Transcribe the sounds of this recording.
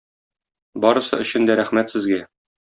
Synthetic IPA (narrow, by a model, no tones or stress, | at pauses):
bɒɾɤ̆sɤ̰ɵ̆ɕɘ̆nd̪æɾæχmæt̪sɘ̆zɡæ